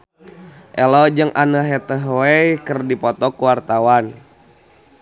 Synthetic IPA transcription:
ʔɛlɔd͡ʒɨŋʔanəɦɛt̪əɦwɛjkərdipɔt̪ɔkuwart̪awan

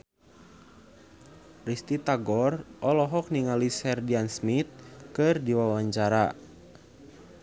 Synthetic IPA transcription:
rist̪it̪aɡɔrʔɔlɔɦɔk̚niŋalisɛrdiansmit̪̚kɨrdiwawaɲt͡ʃaɾa

